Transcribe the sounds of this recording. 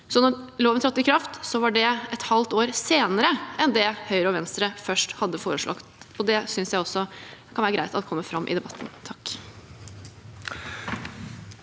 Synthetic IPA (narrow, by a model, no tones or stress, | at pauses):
sɔnɔɾloːʋət̪ʰɾɑt̪ːɪkʰɾɑft̪sɔʋɑɖɛɛt̪hɑlt̪oːɾseːnəɾəɛnd̪ɛhœʏɾəɔʋɛnst̪ɾəfœʂʈhɑd̪ːəfoːɾəʂɭʔɑ̰kt̪ɔd̪ɛsʏnsjæɪɔsːɔkʰɑnʋæːɾɡɾæɪt̪ɑt̪ːkʰɔmːəfɾɑmːʔɪ̰d̪ɛbɑt̪ːn̩t̪ʰɑkː